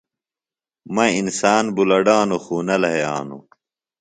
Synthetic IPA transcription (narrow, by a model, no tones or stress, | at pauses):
mɐinsaːnbulɐɖaːnuxuːnɐlɐɦeja̰ːnṵ